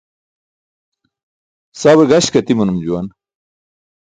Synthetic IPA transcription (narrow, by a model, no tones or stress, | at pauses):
saːweɡaɕkɐt̪imɐnumd͡ʑuwan